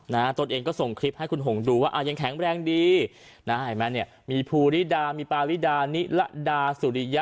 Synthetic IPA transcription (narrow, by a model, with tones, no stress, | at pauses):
na˦˥t̪o˧nʔeː˧ŋkɔː˥˩so˨˩ŋkʰɾi˦˥p̚ha˥˩jkʰu˧nɦo˨˩˦ŋduː˧waː˥˩ʔa˧˩ja˧ŋkʰɛː˨˩˦ŋɾɛː˧ŋdiː˧ | na˦˥ha˨˩mɛː˦˥ni˥˩ɐmiː˧pʰuː˧ɾi˦˥˩daː˧miː˧paː˧wi˦˥˩daː˧ni˦˥ʔla̰˦˥ʔdaː˧su˨˩ɾi˦˥ja˦˥